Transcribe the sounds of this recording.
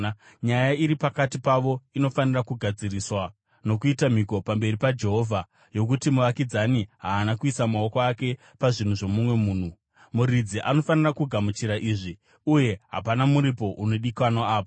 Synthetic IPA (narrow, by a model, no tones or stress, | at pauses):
ɲajaiɾipakatipaʋo̞ino̞fanirakuɡʱad͡ziriswa | no̞kuitam̤iko̞pambe̞ripad͡ʒe̞ɦo̞ːvʱa | jo̞k̬utimuʋakid͡zaniɦaːnakuisamaokoake̞ | paʐin̤uʐo̞mumwe̞muːn̤u | muɾid͡ziʔano̞fanirakuɡʱamut͡ʃiɾaʔiːʐi | uje̞ɦa̰panamuɾipo̞ʔuno̞ɗikwanaaːpo